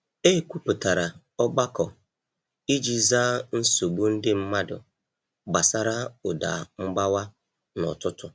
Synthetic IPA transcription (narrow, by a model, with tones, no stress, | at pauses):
e˦˨kʷu˦pʊ˨ta˨ɾa˨ | ɔ˦ɡ͡ba˦kɔ˨ | i˦d͡ʒi˦zaː˦n̩˦so˨ɡ͡bu˦n̩˦dɪ˦m̩˦ma˦dʊ̰˨ | ɡ͡ba˨sa˦ɾa˦ʊ˨da̰˨ŋ͡m̩˦ɡ͡ba˦wa˦ | nɔ̰˨tʊ˦tʊ˨